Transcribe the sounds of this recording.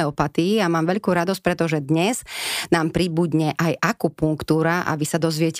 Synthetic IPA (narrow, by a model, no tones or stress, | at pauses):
ɛɔpat̪iiamaːmʋɛʎkuːɾad̪ɔsc̚pɾɛt̪ɔʒɛd̪ɲɛz̥naːmpɾibud̪ɲɛʔajʔakupuŋkt̪uːɾaʔa̰ʋisad̪ɔzʋɪɛc